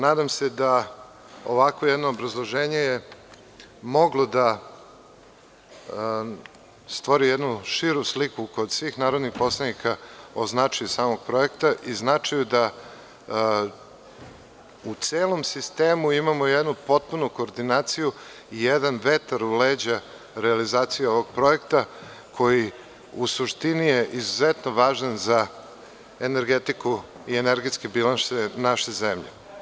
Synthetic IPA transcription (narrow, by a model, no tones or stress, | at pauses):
naːd̪amsed̪a | oʋakʋojɛd̪noːbɾazlˠo̞ʒeːɲeje | mo̞ɡlˠod̪a | st̪ʋoɾijɛd̪nuʃiɾuslikukod̪sʋiːxnaːɾo̞d̪nixpo̞slˠed̪nikaoznat͡ʂajusaːmo̞ɡ̥̚pɾo̞jekt̪aʔiznat͡ʂajud̪a | ut̪seːlomsist̪eːmuimamojed̪nupo̞t̪̚punuko̞ːɾd̪inaːt̪siju | ijed̪anʋet̪aɾuleːd͡ʑa | ɾealizaːt̪sijeo̞ʋo̞ɡ̚pɾo̞jekt̪a | kʰo̞ji | usuʃt̪inijeʔizuzet̪noʋaːʒanza | eneɾɡet̪iku | ieneɾɡet̪skebilanʃenaʃezemʎḛ